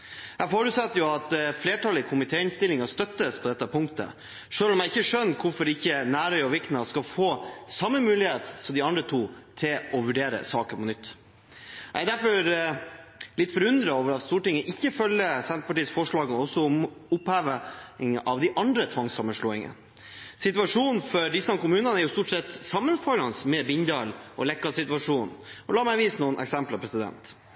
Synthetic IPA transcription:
hæfɔɾʉːt̪sɑt̪ːəjʊɑt̪fleːʈʰɑlɪkʰʊmɪt̪ʰeːɪnst̪ɪlɪŋɑst̪œt̪ːəspʰɔd̪ɛt̪ːəpʰʊŋkt̪ə̰ | ʂøːlɔmjæɪçːəʂœnːkʰʊɾfɔɾɪçːənæːɾœʏɔʋɪkt̪nɑskɑfoːsɑmːəmʉːlɪheːt̪sɔmd̪ɪɑnd̪ɾət̪ʰuːt̪ʰɪlɔʋʉɖeːɾə̰sɑːkəpɔnʏt̪ː | jæ̰d̪æɾfɔɾ | lɪt̪ːfɔɾʉnd̪ɾɑoːʋəɾɑt̪st̪uːʈɪŋːəʔɪçːəfœlːəsɛnt̪əpɑʈiːəsfɔʂɭɑːɡəɔsɔʊmʊphæːʋəɪŋəʔɑʋd̪ɪʔɑnd̪ɾət̪ʰʋɑŋsɑmːəʂɭoːɪŋə̰n | sɪt̪ʋɑʂuːnfɔɖɪsɑmkʊmʉːnɑnæɾjʊst̪uːʈsɛt̪ːsɑmːənfɔʏɾɑnsmɛbɪɲd̪ɑlʔɔ̰lɛkːɑsɪt̪ʋɑʂuːnʔɔlɑːmæɪʋiːsnuːənʔɛ̰ksɛmplɑpʰɾɛsɪd̪ɛ̰nt̪

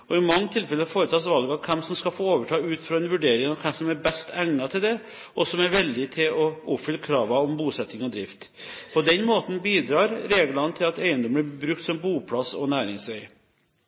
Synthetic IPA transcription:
ɔɪmɑŋːət̪ʰɪlfɛlːəhɑfoːɾət̪ʰɑːsʋɑlɡɑkʰɛmsɔmskɑfoːoːʋəʈʰɑːʉːt̪fɾɑɛnʋʉɖeːɾɪŋɑʋkʰɛmsɔmæɾbɛst̪ʰæŋnɑt̪ʰɪld̪ɛ | ʔɔsɔmæɾʋɛld̪ɪt̪ʰɪlɔʊpfʏlːkʰɾɑːʋɑɔmbuːsɛt̪ːɪŋɔd̪ɾɪft̪pʰɔd̪ɛnmoːt̪n̩biːd̪ɾɑːɾɾeːɡlɑnət̪ʰɪlɑt̪æɪənd̪ɔməæbɾʉkt̪sɔmbuːpʰlɑsɔ̰næːɾɪŋsʋɛɪ

